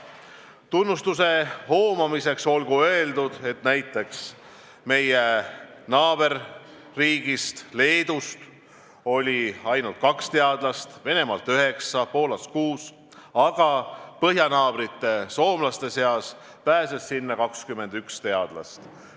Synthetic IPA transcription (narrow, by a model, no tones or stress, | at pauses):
t̪unːust̪use̞ho̞ːmɑmise̞kso̞lɡ̥uø̞eld̪ud̪̥e̞t̪næjt̪ːˑe̞ks | me̞jenɑːb̥e̞rː | iːɡ̥ist̪le̞ːd̪̥ust̪ | o̞lʲiɑjnult̪̚kɑkst̪e̞ɑd̪lɑst̪ve̞ne̞mɑlt̪yɦe̞ksɑpo̞ːlɑskuːs | ɑɡ̥ɑpɤɦjɑnɑːb̥ɾit̪ːˑe̞so̞ːmlɑst̪e̞se̞ɑs | pæːse̞sːinːɑkɑkskyme̞nd̪ykst̪e̞ɑd̪̥lɑ̰st̪